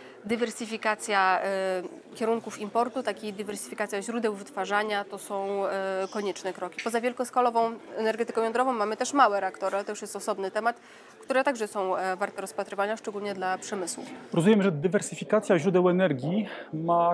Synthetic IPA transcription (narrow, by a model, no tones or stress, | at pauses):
d̪ɨvɛɾsɘfʲikat̪sʲja | kʲɛɾuŋkufimpɔɾt̪ut̪akʲid̪ɘvɛɾsɘ̥fʲikat̪sʲjaʑɾud̪ɛwvɘt̪faʐaɲat̪ɔsɔ̃w̃kɔɲɛt͡ʂnɛkɾɔkʲi̥pɔzavʲjɛlkɔskalɔvɔ̃w̃ɛnɛɾɡɛt̪ɘkɔ̃w̃jɔnd̪ɾɔvɔ̃w̃mamɘt̪ɛʂmawɛɾɛakt̪ɔɾɘalɛt̪ɔjuʂjɛst̪ɔsɔbnɘt̪ɛmat̪ | kt̪uɾɛt̪aɡʐɛsɔ̃w̃vaɾt̪ɛɾɔspat̪ɾɘvaɲaʂt͡ʂɛɡulɲɛd̪lapʂɛmɘswṵfɾɔzumjɛmʐɛd̪ɘvɛɾsɘfʲikat̪sʲjaʑɾud̪ɛwɛnɛɾɡʲima